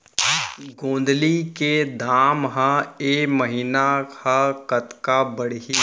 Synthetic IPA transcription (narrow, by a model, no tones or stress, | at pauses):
ɡõːnd̪liked̪ʱaːmɦãeməɦiːnaakət̪kabəɽ̤ɦi